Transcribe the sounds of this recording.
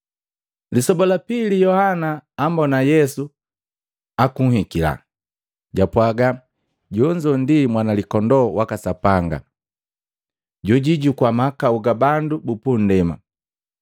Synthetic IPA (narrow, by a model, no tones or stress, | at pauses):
lisɔbɔlapilijɔhanaːmbɔnajɛsu | akuŋ̩hikila̰ | ɟapwaɡa | ɟɔɲd͡ʒɔndimwanalikɔndɔwakasapaŋɡa̰ | ɟɔɟiɟukwamakauɡabandubupun̩dɛma̰